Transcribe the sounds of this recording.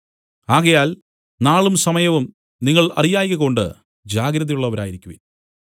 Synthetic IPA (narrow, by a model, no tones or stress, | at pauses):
aːɣɐjaːl | naːɭumsɐmɐjɐʋum | niŋːɐɭɐ̰rijaːjiɣɐko̞ɳɖɨ̰ | d͡ʑaːɡɾɐðijuɭːɐʋɐɾaːjiɾikʲːuʋḭ